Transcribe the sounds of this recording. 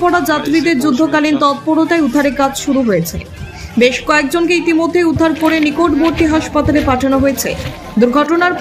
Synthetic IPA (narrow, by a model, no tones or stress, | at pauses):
pɔɽad͡ʑat̪ːɾid̪eɾd͡ʑud̪ʱːokalint̪ɔt̪̚poɽot̪aeud̪ʱaɾeɾkad͡ʑʃuɾuɦojet͡ɕʰe | beʃkɔek̚d͡ʑonkeit̪imod̪ʱːejud̪ʱːaɾkoɾenikoʈboɾʈiɦaʃpat̪alepaʈʰanoɦojet͡ɕʰḛ | d̪uɾɡʱɔʈonaɾ